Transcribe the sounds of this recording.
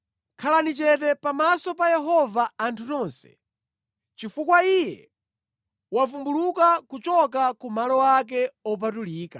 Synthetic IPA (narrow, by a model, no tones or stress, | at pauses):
kʰalanit͡ʃɛtɛpamasɔpajɛɦɔvaːntʰutɔnsɛ̥̰ | t͡ʃifukwaijɛ | wafumbulukakut͡ʃɔk̬akumalɔwak̬ɛɔp̬atuliːka